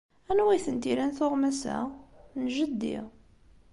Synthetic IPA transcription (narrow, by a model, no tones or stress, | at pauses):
ænwæθənt̪iɾænθoʁmæsæ̰nʒəd̪ːḭ